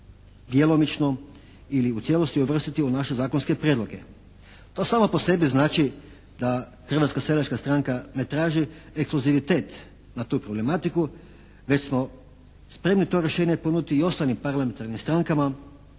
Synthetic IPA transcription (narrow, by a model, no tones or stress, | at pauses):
d̪jelo̞mit͡ʃno | iliut̪je̞lˠo̞st̪iuʋr̩st̪it̪iunaʃe̞zaːkonske̞pɾjed̪lo̞ɡe̞̰ | t̪oːsaːmapo̞se̞biznaːt͡ʃi | d̪a | xr̩ʋat̪skaselaʃkast̪ɾaŋkane̞t̪ɾaːʒiekskluziʋit̪e̞ːt̪ | nat̪uːpɾo̞ble̞mat̪iku | ʋe̞t͡ɕsmo̞ | spɾe̞mnit̪o̞ɾje̞ʃeːɲeponud̪it̪iio̞st̪alimpaɾlame̞nt̪aɾnimst̪ɾaŋkama